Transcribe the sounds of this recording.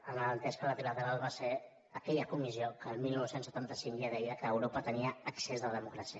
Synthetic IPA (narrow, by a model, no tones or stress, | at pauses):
əmələnt̪ɛskələt̪ilət̪əɾalˠβaseɾ | əkɛʎəkumiziokəːlˠmilnowsensət̪ant̪əsiŋʎaðɛjəkəːwɾopət̪əniəəksezðəəðəmukɾasiə